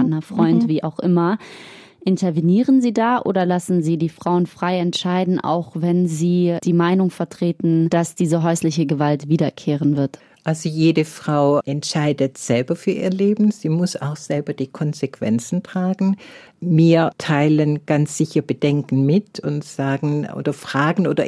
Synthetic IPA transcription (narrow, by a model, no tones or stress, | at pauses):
nɐfʁ̥ɔʏntv̥iːʔaʊxʔɪmɐ | ʔɪntɐveniːʁənziːdaːʔo̰ːdɐlasn̩ziːdiːfʁ̥aʊənfʁ̥aɪɛntʃaɪdn̩ʔa̰ʊxvɛnziːd̥iːmaɪnʊŋfɛɐtʁ̥eːtn̩d̥asd̥iːzəɦɔʏslɪçəɡəvaltv̥iːdɐkʰeːʁ̞ənvɪɐt | ʔʔalzojeːdəfʁ̥aʊʔɛntʃaɪdətz̥ɛlbɐfyːɐʔiːɐleːbm̩z̥iːmʊsa̰ʊxz̥ɛlbɐd̥iːkʰɔnzekv̥ɛ̰nt͡sn̩tʁ̥aːɡŋ̩ | miːɐtʰaɪlənɡ̥ansz̥ɪçɐbədɛŋkn̩mɪtʊ̰ntz̥aːɡŋ̩ʔo̰ːdɐfʁ̥aːɡŋ̩ʔoːdɐ̰